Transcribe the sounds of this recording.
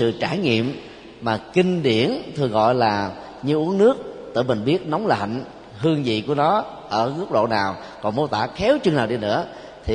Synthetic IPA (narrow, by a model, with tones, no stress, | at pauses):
sɨ̰˧˨t͡ɕaː˧˩ŋḭ˧˨əmː | aː˨˩ki˧ŋ̟ɗi˧˩ənt̪ʰɨ˨˩əŋɣɔ̰˧˨jlaː˨˩ | ɲɨ˧ʔu˨˦əŋnɨ˦˥ək̚t̪ɨ̰˧˨mï˨˩ŋ̟ɓi˦˥ət̚nɔ˨˦wŋ͡mla̰˨˧˨jŋ̟ | ɦɨ˧əŋzḭ˧˨ku˧˩ənɔ˨˦ | ʔəː˧˩ŋɨ˦˥k̚ɗo̰˧˨naː˨˩w | kɔ˨˩nmo˧˨˦t̪aː˧˩xɛ˨˦wt͡ɕwɨ˧ŋnaː˨˩wɗi˧nɨ̰˧˥ə | t̪ʰi˨˩